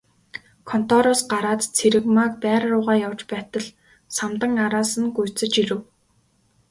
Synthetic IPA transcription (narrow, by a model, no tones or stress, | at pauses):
kʰɔn̥t̪ʰɔɾʊːsɢaɾaːt̪t͡sʰeɾɘ̆kmak̚pæːɾrʊːʁaːjawt͡ɕpæːt̪ə̆ɮ | samt̪ə̆ŋaɾaːsə̆nɡujʰt͡sə̆t͡ɕiɾɘ̆w